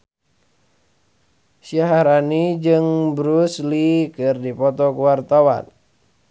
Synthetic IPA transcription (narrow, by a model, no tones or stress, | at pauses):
siaɦaɾanid͡ʒɨŋbɾuslikɨrdipɔt̪ɔkuwart̪awa̰n